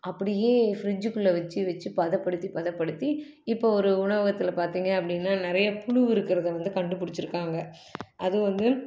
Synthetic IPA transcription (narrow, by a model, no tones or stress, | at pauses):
ʔɐpːɐɽɪjeːfɪɾɪd͡ʒɯkːɯlːɐʋɐt͡ʃːɯʋɐt͡ʃːɯpɐðɐpːɐɽɯt̪ːipɐðɐpːɐɽɯt̪ːi | ɪpːoːɔɾɯʊɳɐʋɐɣɐt̪ːɪlɐpaːɾt̪iːŋɡɐːp̬ːɐɽɪnːaːnɪɾɐjɐpʊɻʊʋɪɾɯkːɪɾɐðɐʋɐnd̪ɯkɐɳɖɯpʊɽɪt͡ʃːɪɾɯkːaːŋɡɐ | ʔɐðɯʋɐnd̪ɯ